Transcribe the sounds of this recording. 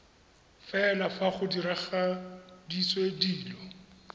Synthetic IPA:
fɛlafaχʊdiɾaχadiswediːlɔ

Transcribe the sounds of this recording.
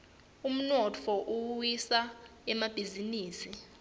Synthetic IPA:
um̩nɔtʰɔʔuwisaɛmab̥ʱiziniːsi

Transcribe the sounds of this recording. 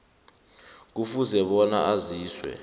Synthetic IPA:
k̬ufuzɛɓɔna̰ʔaziːswɛ̰

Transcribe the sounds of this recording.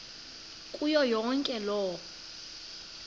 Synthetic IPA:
kʼujɔjɔŋkʼɛlɔː

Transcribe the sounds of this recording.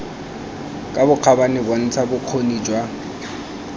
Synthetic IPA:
kʼabʊq͡χʰabanɪbon̩t͡sʰabʊq͡χʰonid͡ʒwa

